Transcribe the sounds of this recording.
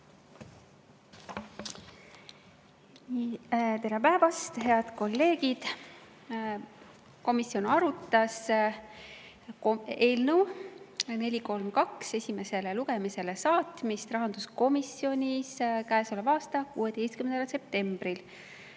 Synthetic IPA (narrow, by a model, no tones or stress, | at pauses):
t̪e̞ɾepæevɑst̪ɦe̞ɑd̪̥ko̞lːe̞ːɡid̪̥ | ko̞misːjo̞nɑɾut̪ːˑɑs | eːlnu | ne̞lʲiko̞lmkɑkse̞sʲime̞se̞leluɡe̞mise̞le̞sɑːt̪mist̪rɑɦɑnd̪̥usko̞misːjo̞nʲiskæesolevɑːst̪ɑkṵːet̪e̞jst̪̚kymend̪ɑlse̞p̚t̪e̞mb̥ril